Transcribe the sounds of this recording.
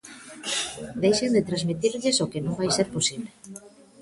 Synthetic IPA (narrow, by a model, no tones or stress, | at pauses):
d̪ejʃend̪ɪt̪ɾazmit̪iɾʎɪsokɪnõŋbajseɾposiβle